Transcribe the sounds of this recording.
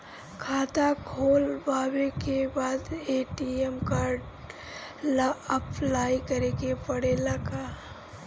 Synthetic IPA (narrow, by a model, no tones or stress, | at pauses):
kʰaːt̪akʰoːlbaːwekebaːd̪eːʈiɛmkaːɾɖ | laəplaːikɐɾekepɐɽeːlakaː